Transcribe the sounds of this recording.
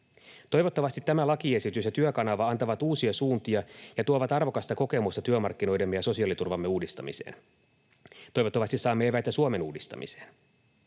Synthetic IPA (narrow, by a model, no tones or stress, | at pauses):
t̪o̞jʋo̞t̪ːɑʋɑst̪it̪ːæmælɑkie̞sit̪ysjɑt̪yøkɑnɑʋɑɑnt̪ɑʋɑt̪uːsiɑsuːnt̪iɑjɑt̪uoʋɑt̪ɑrʋo̞kɑst̪ɑko̞ke̞must̪ɑt̪yømɑ̰rkːino̞jde̞mːejɑso̞siɑːlit̪urʋɑmːe̞uːdist̪ɑmḭsḛːn | t̪o̞jʋo̞t̪ːɑʋɑst̪issɑːmːeeʋæjt̪æsuome̞nuːdist̪ɑ̰mḭse̞̥̰ːn